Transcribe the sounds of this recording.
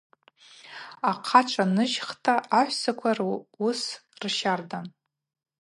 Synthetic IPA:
aqʰat͡ʃʷʰʼanɨʒχtʰʼaʔaħʷsakʷʰarusrʃardan

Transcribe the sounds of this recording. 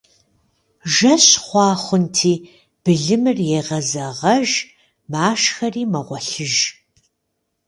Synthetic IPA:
ʒɐɕχʷɑːχʷʊntʰiː | b̥ɨɮɨmɨrjeːʁɐzɐʁɐʒ | maːʃxɐriːmɐʁʷɔɬɨʒ

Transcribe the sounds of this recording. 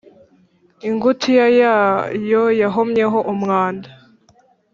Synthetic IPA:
iŋɡutʰijajaːjojaɦomɲe̞ɦo̞ʔumŋaːnda

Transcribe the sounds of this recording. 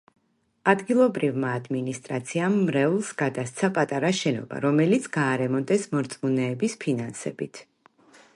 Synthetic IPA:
ad̪ɡilˠɔbɾivmaːd̪minist̪ʼɾat̪sʰiamːɾɛulˠsɡad̪ast̪sʰapʼat̪ʼaɾaʃɛnɔ̰ba̰ɾɔmɛlit̪sʰɡ̥aːɾɛmɔnt̪ʼɛsmɔɾt̪sʼmunɛːbispʰinansɛ̰bit̪ʰ

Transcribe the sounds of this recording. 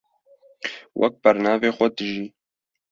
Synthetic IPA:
wʔɛ̰k̚bɛɾnɑːveːxʷɛd̪ɨʒiː

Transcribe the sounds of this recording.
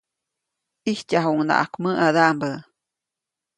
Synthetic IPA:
ʔihcaɦuŋna̰ʔa̰kməʔad̪ambə

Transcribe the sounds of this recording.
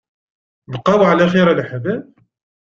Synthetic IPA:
bqːɑwʕlæχiɾælħbæb

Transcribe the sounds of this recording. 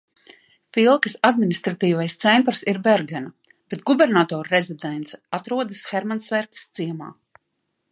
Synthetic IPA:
filˠkɨsad̪̚minʲist̪ɾat̪iːvajst̪sɛnt̪ɾsiɾbɛɾɡɛna | b̥et̪ɡubɛɾnat̪ɔːɾɾezid̪ɛnt̪sɛ̥at̪ɾuɔd̪asxɛɾmansvɛɾkḁst̪siɛma̰ː

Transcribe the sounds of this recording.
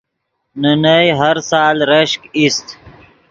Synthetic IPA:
nənəjɦaɾsɑːlɾəʃkist̪

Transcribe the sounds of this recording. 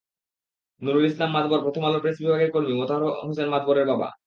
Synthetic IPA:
nuɾolislamːad̪boɾpɾot̪ʰomalopɾesbibʱaɡeɾkoɾmimot̪aɦosenmad̪boɾeɾbaba̰

